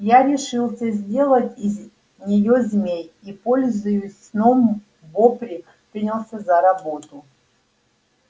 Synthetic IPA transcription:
jaɾʲɪʂɨlˠsʲəzʲdʲe̞lˠətʲiz | nʲɪjozʲmʲejipolʲzʊjʊsʲ | nom | vopɾʲɪ | pɾʲinʲɪlˠsʲəzɐɾɐbo̞t̪ʊ

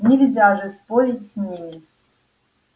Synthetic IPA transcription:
nʲɪlʲzʲaʐɨspoɾʲitʲsʲnʲimʲi

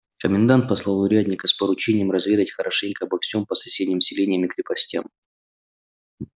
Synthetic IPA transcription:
kəmʲɪnd̪ant̪̚pɐslˠalˠʊɾʲædʲnʲɪkəspəɾʊt͡ɕenʲɪjəmɾɐzvʲe̞d̪ətʲxəɾʔɐʂɛnʲkəɐbɐksʲompəsɐsʲedʲnʲɪmsʲɪlʲenʲɪjəmɪkɾʲɪpɐsʲtʲa̰m

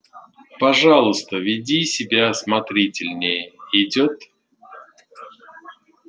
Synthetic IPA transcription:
pɐʐɑlˠʊst̪əvʲɪdʲisʲɪbʲasmɐt̪ɾʲitʲɪlʲnʲɪjəɪdʲot̪

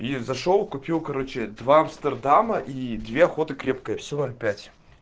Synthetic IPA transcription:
izɐʂolˠkʊpʲilˠkɐɾo̞t͡ɕɪd̪vaɐmst̪ərd̪aməʔid̪vʲeɐxo̞t̪ɨkɾʲe̞p̚kəjəfsʲonolʲpʲætʲ

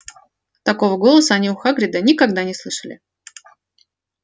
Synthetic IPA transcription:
t̪ɐko̞vəɡo̞lˠəsəːnʲiʊxaɡɾʲɪd̪ənʲɪkɐɡd̪anʲɪslˠɨʂəlʲɪ̰

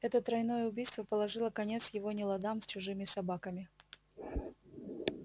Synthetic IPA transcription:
ɛt̪ət̪ɾɐjnojəʊbʲijst̪vəpəlˠɐʐɨlˠəkɐnʲe̞t̪sjɪvonʲɪlˠɐd̪amsʲt͡ɕʊʐɨmʲɪsɐbakəmʲɪ

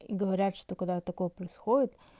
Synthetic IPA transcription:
iɡəvɐɾʲat̪ʂt̪okɐɡd̪at̪ɐkojəpɾəɪsxodʲɪt̪

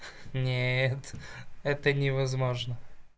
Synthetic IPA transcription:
nʲet̪ɛt̪ənʲɪvɐzmo̞ʐnə

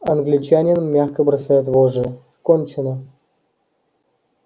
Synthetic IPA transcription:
ɐnɡlʲɪt͡ɕanʲɪnmːʲaxkəbɾɐsajat̪̬voʐɨ | konʲt͡ɕɪnə

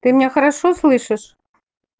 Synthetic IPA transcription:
t̪ɨmnʲexɐɾaʃoslˠɨʃɘ̆ʃ

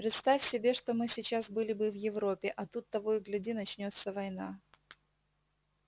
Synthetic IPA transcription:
pɾʲɪt̪st̪afʲsʲɪbʲe̞ʂt̪o̞mɨsʲɪt͡ɕasbɨlʲɪbɨvjɪvɾo̞pʲːɪʔɐt̪ut̪ːɐvojɡlʲɪdʲinɐt͡ɕnʲo̞t̪səvɐjna̰

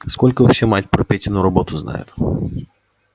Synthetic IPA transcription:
skolʲkəvɐfɕːematʲpɾɔpʲetʲɪnʊɾɐbot̪ʊzna̰jɪ̰t̪

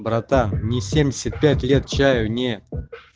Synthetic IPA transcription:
bɾat̪anʲɪsʲe̞mʲdʲɪsʲɪt̪̚pʲætʲlʲe̞t̪̚t͡ɕæjʊnʲe

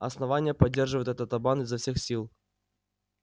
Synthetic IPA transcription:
ɐsnɐvanʲɪjəpɐdʲːerʐɨvəjt̪ɛt̪ət̪ɐbanɨzːɐfsʲexsʲilˠ

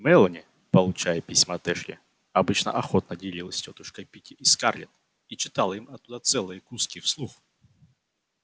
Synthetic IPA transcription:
mɛlˠənʲɪ | pəlˠʊt͡ɕajəpʲisʲməɐt̪ɛʂlʲɪ̰ | ɐbɨt͡ɕnə̰ʔɐxot̪̚nədʲɪlʲilˠəsʲtʲot̪ʊʂkəjpʲikʲɪʔiskarlʲɪ̰t̪ | it͡ɕɪt̪alˠimɐt̪ːud̪at̪sɛlˠɨjəkuskʲɪfslˠux

